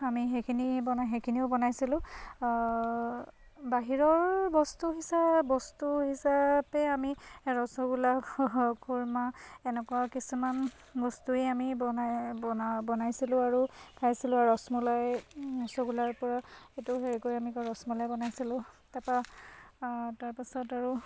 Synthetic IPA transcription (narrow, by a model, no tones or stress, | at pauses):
amiɦekʰinibɔnaɦekʰiniʊbɔnajsilʊ̃ | baɦiɹɔɹbɔstuɦisabɔstuɦisapɛamiɹɔsɔɡulakʰuɹmaɛnɛkɔwakisuman | bɔstueamibɔnajɔbɔnajsilʊ̃aɹukʰajsilʊ̃aɔsmulajɔsɔɡulaɹpɔɹaetuɦeɹikojamikɔɹɔsmulajbɔnajsilʊ̃ | tapa | taɹpisɔtaɹu